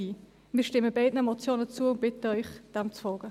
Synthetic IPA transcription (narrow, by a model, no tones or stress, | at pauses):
iː | miːʃtɪmːəbɛɪdnəɛmɔt͡sjoːnət͡suːəʊnd̚b̥ɪtəœʏχd̥ɛmt͡sfɔːɡ̥ə